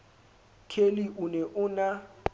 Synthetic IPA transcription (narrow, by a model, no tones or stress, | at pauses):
kʰeliʔʊnɛʔʊna